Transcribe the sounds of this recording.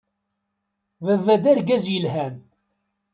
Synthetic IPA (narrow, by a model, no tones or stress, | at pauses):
vəvːæðæɾɡæzjəlɦæn